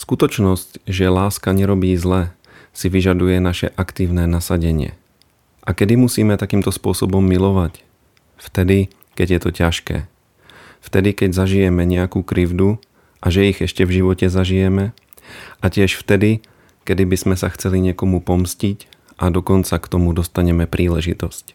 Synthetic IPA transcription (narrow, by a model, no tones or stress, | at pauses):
skut̪ɔt͡ʃnɔscʒɛlaːskaɲɛɾɔbiːzlɛ | siʋiʒad̪ujɛnaʃɛ̰ʔakt̪iːʊnɛːnasaɟɛɲɪɛ̰ | ʔakɛd̪imusiːmɛt̪akiːmt̪ɔspʊɔsɔbɔmːilɔʋac | ft̪ɛd̪i | kɛɟjɛt̪ɔcaʃkɛ̰ː | ft̪ɛd̪ikɛɟzaʒijɛmɛɲɛakuːkɾivd̪u | ʔaʒɛiɣɛʃcɛvʒiʋɔcɛzaʒijɛmɛ | acɪɛʃft̪ɛd̪i | kɛd̪ibizmɛsaxt͡sɛliɲɪɛkɔmupɔmscic | ʔad̪ɔkɔnt͡sakt̪ɔmud̪ɔst̪aɲɛmɛpɾiːlɛʒit̪ɔsc